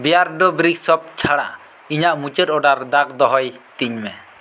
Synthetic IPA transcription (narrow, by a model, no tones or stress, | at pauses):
bijaɾɖɔbɾiksɔp̚t͡ʃʰaɽa̰ʔ | iɲaʔmut͡ʃɛt̪ɔɖaɾd̪ak̚d̪ɔɦɔjt̪iɲmɛ